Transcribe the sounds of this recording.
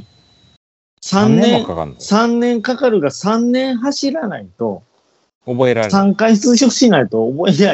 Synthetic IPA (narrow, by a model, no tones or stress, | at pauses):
sãnḛ̃sãnːẽ̞ŋkakaɾɯ̟ɡasãnːẽ̞ɰ̃ɦaɕiɾanait̪o̞̰ | sãŋkaist͡sɨɕokɕinait̪o̞ːboea